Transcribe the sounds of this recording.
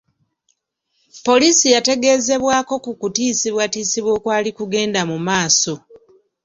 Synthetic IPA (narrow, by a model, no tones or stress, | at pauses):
po̞liːsijate̞ɡe̞ze̞βwaːko̞kukutiːsiβwatiːsiβwo̞ːkwaːlikuɡe̞ːndamumaːso̞